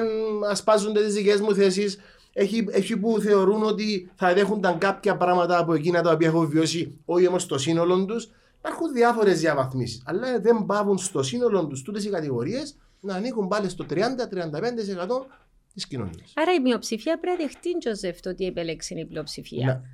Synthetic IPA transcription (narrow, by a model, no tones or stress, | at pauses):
nɐspɐzːund̪et̪izðice̞zmuθe̞s̬is | eçieçipuθe̞o̞ɾuno̞t̪iθɐðe̞xund̪ɐŋɡapçɐpɾɐmɐt̪ɐːpoec̬inɐt̪ɐopiɐexoɱvio̞sio̞iomost̪o̞sino̞lo̞nt̪us | ipɐɾxunðiɐfo̞ɾe̞zðiɐvɐθmisisɐlːɐðe̞mbɐvunst̪o̞sino̞lo̞nt̪ust̪ut̪es̬ikɐt̪iɣo̞ɾie̞s | nɐːnikumbɐlest̪ot̪ɾiɐnd̪ɐt̪ɾiɐnd̪ɐpe̞nd̪eis̬ekɐt̪o̞n | t̪iscino̰nḭɐsɐɾɐimiopsifiɐpɾeɐðext̪ind͡ʒozeft̪ot̪iepeleksinipliopsifḭɐ̰